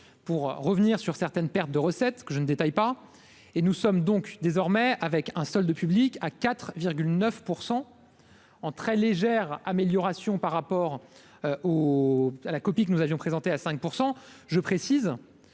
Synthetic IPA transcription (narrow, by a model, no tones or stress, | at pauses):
puʁːəvniʁsyʁsɛʁt̪ɛnpɛʁt̪̚d̪əʁəsɛt̪kəʒənəd̪et̪ajpa | enusɔmd̪ɔ̃kd̪ezɔʁmɛavɛkɛ̃sɔld̪əpyblikakat̪χviʁɡʲylnœfpuʁsɑ̃ | ɑ̃t̪χɛleʒɛʁameljɔʁasjɔ̃paʁːapɔʁ | o | alakɔpikənuzavjɔ̃pχezɑ̃t̪easɛ̃k̚puʁsɑ̃ | ʒəpχesiz